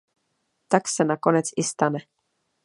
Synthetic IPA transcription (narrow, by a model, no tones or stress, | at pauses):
t̪aksenako̞net̪sist̪anɛ